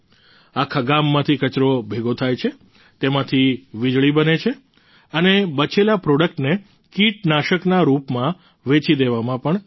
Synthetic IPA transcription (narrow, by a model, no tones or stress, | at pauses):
akʰaɡamːãt̪ʰikət͡ʃɾobʱeɡot̪ʰajt͡ʃʰe | t̪emãt̪ʰiʋid͡ʒɭibənet͡ʃʰe | ənebət͡ʃelapɾɔɽəkʈne | kiʈnaʃəknaɾupmã | ʋet͡ʃid̪eʋamãpəɳ